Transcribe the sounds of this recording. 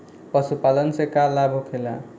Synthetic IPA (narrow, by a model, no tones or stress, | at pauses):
pʌsupalənsekalabʱokʰela̰